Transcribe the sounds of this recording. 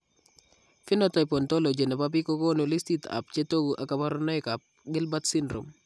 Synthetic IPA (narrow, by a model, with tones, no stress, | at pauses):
fɪ˦nɔtɔjpɔ˨nto˦lo˨d͡ʒe˨nɛ˨bap̬iko˦ɡo˦nu˨lɪ˦stita̰˨p̚t͡ʃe˦to˦ɡuʔa˨kaba˦ɾɔnɔ˦jka˨p̚ | ɡɪ˦lba˦tsɪndɾɔ̰m